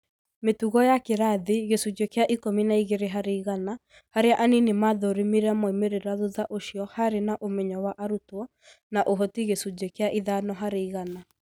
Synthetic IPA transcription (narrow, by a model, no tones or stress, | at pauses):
metuɣɔjakeɾaðiɣesud͡ʑekjaʔikominaiɣeɾeɦaɾeiɣana | haɾeaʔaninemaðoɾimiɾamoimeɾeɾaðuðaʔoɕiɔhaɾenaʔomɛɲɔwaʔaɾutwɔ | naʔoɦɔtiɣesud͡ʒekeaʔiðanɔɦaɾeiɣana